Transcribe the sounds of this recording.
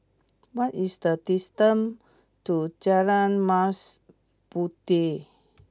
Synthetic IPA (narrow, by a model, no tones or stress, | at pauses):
wat̪ist̪ət̪ist̪əm | t̪ud͡ʒaɾanmas | put̪i